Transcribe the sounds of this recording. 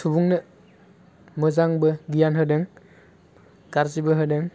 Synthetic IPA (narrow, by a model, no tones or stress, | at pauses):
sʰubuŋnɯ | mɯzaŋbɯɡijanɦɯdɯŋ | kaɾzibɯɦɯdɯŋ